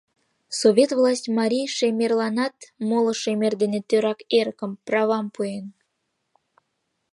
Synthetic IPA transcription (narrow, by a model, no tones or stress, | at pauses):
sovʲet̪vlˠɑsʲtʲmɑɾʲijʃemʲerlɑnɑt̪molŏʃemerd̪enet̪øɾɑkeɾəkə̆mprɑβɑmpuen